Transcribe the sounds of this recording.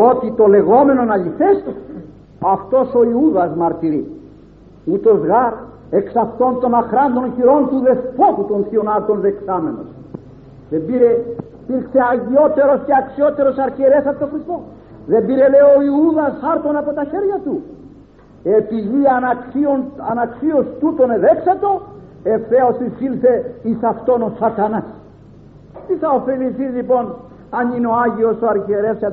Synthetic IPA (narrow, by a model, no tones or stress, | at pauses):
o̞t̪it̪o̞le̞ɣo̞me̞nonɐʎifest̪o | ɐft̪o̞so̞iuðɐzmɐɾt̪iɾi | ut̪o̞zɣaɾ | e̞ksɐft̪o̞nt̪o̞nɐxɾɐnd̪o̞nçiɾo̞nt̪uðe̞spot̪ut̪onθionɐɾt̪o̞nðe̞ksame̞no̞̰s | ðe̞mbiɾe̞ipiɾkse̞ɐʝio̞t̪e̞ɾo̞sceɐksio̞t̪e̞ɾo̞sɐɾceɾe̞sɐpot̪oxɾist̪o̞ | ðe̞mbiɾe̞le̞oːiuðɐsxɐɾt̪o̞nɐpo̞t̪ɐçe̞ɾʝɐt̪u | e̞piðiɐnkionɐnɐksio̞st̪ut̪o̞neðe̞ksɐt̪o̞ | e̞fθe̞o̞sisilθe̞isɐft̪o̞no̞sɐt̪ɐnɐs | t̪iθɐo̞fe̞liθizlipo̞n | ɐnineo̞aʝio̞soɐɾçeɾe̞s